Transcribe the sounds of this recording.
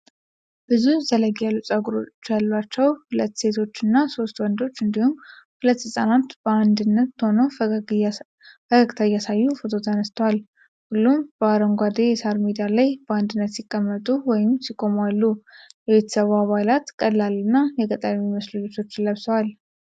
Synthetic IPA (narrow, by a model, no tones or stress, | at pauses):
b̥ɨzuhzələɡjalːut͡ʃʼaɡuɾo̞̰t͡ʃːjalːat͡ʃːɛwhulət̪ːse̞t̪ʰo̞t͡ʃːɨnːaso̞st̪wɔnd̪o̞t͡ʃːɨnd̪ihumhulət̪ːɨsʼənat̪b̥əand̪ɨnːət̪ːəho̞nə | bəkəɡt̪ʰajasajːufot̪ʰo̞t̪ʰənəst̪ʰəwal | hulːumbəaɾəŋɡʷad̪ejɛsaɾmid̪ialajb̥əand̪ɨnːət̪sikʼːəmːət̪ʼuwɔjɪmsikʼo̞malːujɛβe̞t̪ʰːə̥səβaβajlat̪kʼəlːalɨnːajɛkʼət̪ʼamiməslud͡ʒet̪ʰo̞t͡ʃːɪlːəβsəwal